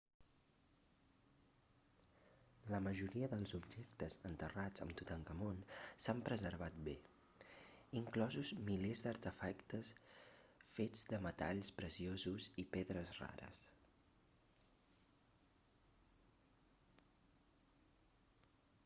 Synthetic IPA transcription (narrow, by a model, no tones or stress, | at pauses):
ləməʒuɾiəðəlˠzubʒek̚t̪əzənt̪ərad͡zə̰mt̪ut̪aŋkəmonsampɾəzəɾβ̞at̪̚be | iŋklɔzuzmilezd̪əɾt̪əfakt̪əs | fed͡zd̪əmət̪a̰ʎspɾəsiozuzipeðɾəzra̰ɾə̰s